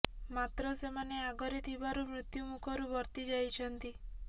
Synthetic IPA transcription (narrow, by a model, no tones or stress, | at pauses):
mat̪ɾɔsemaneaɡɔɾet̪ʰibaɾumɾut̪jumukʰɔɾubɔɾt̪id͡ʒajt͡ʃʰɔnt̪i